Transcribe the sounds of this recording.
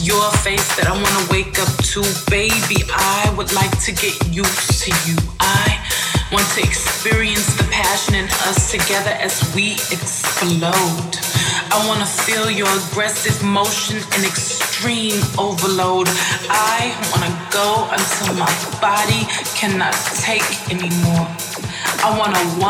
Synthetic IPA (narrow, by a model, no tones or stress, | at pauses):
jə˞feɪsðɨɾaɪwɑ̃nəweɪkʌp̚tʰəbeɪbiʔaɪwədˡlaɪk̚tʰɨɡɛt͡ʃutʰɨjʉʔaɪwɑ̃ntʰɨɨkspɪɹiɨ̃nsðɨpʰæʃɨ̃nɨ̃nʌ̰stʰɨɡɛðə˞ʔɨzwiɨkssploʊd | aɪwɑ̃nəfilˠjə˞əɡɹɛsɪvmoʊʃɨ̃nɨ̃nɨkstɹ̥ĩmoʊvə˞loʊdʔaɪwɑ̃nɨɡoʊʔə̃ntʰɪlˠmaɪb̥ɑɾikʰæ̃nːətʰeɪkɛnimɔɹ | ʔaɪwɑ̃nəwʌ̃